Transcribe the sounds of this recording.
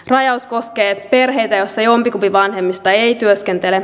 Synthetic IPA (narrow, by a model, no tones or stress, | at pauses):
rɑjɑusko̞sk̟eːpe̞rɦe̞jt̪æjosːɑjompikupiʋɑnɦe̞mːist̪ɑejt̪yøskent̪ele